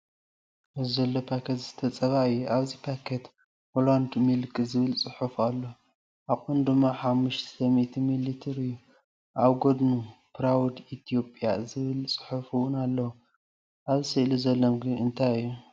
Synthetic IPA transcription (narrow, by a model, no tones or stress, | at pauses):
ɨzɐlːopʰakʰet̪z̥ɨt̪ʰɐt͡sʼɐβaɨjːuʔaβzipʰakʰet̪ | holand̪mɨlkʼɨzɨβɨlt͡sʼɨħufalːo | ʔakʼund̪ɨmːaħamːuʃt̪ʰɐmit̪ʰmilit̪ʰiɾɨjːu | ʔaβɡod̪nupɾawd̪it̪ʰijo̞pʼjazɨβɨlt͡sʼɨ̥ħufɨwʊnalːɐwu | ʔaβisiʔluzɐlːomɡɨnɨnt̪ʰajɨjːu